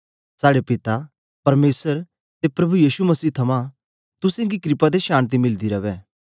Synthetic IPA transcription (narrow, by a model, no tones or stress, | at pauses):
saːɽepɪt̪a | pɐɾmeːsəɾ | t̪epɾɐbujiːʃumɐsiːt̪ʰɐmã | t̪ʊsẽːŋɡikɾɪpad̪eʃaːñt̪̬imɪld̪iɾɐʋɛː